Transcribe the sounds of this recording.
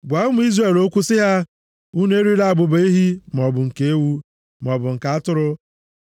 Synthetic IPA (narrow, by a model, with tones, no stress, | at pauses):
ɡʷa˨˦ʊ˦mʊ˦i˦zɾe˨lo˦kʷu˦sɪ˦ɦa˦ | u˦ne˦ɾi˦la˦a˨ɡ͡bʊ˨ba˦i˦ɦi˦m˨ɔ˨bʊ˨ŋ̩˨ke˨e˦wu˦ | m˨ɔ˨bʊ˨ŋ̩˨ka˨a˦tʊ˦ɾʊ˦